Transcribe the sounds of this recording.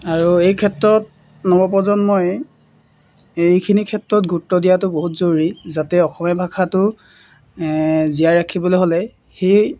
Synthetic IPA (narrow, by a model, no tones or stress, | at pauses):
aɹuejkʰɛtɹɔt̚ | nɔbɔp̬ɔzɔnmoj | ejkʰinikʰɛtɹɔt̚ɡʱutːɔdijatʊboɦutzoɹizatɛɔxɔmɛbʱakʰatʊ | zijajɹakʰibɔlojɦolɛ | xej